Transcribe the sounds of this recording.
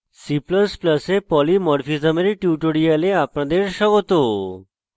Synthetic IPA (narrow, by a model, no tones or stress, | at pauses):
sipləspləsepɔlimɔɽfisameɾeʈjuʈoɽialeapɳãd̪eɾɕəɡot̪o